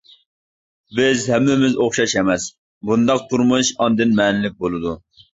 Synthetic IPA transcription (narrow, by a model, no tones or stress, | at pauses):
bɪzhɛmːɪmɪzoχʃɑʃɛmɛs | bund̪ɑq̚t̪ʰuɾmuʃɑnd̪ɨnmɛːnɪlɪk̚ʲbolˠɨd̪u